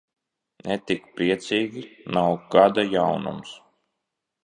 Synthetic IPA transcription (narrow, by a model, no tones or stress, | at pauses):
nʔɛt̪ikpɾiɛt̪siːɡʲinawɡad̪ajawnṵms